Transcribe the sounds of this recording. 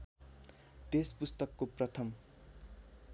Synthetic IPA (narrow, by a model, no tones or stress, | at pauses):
t̪espust̪ʌkːoprʌt̪ʰʌm